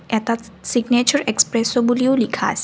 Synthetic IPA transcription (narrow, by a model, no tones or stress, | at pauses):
ɛt̪a | siɡnet͡ʃɔɾekspɾesɔbuliwlikʰa̰s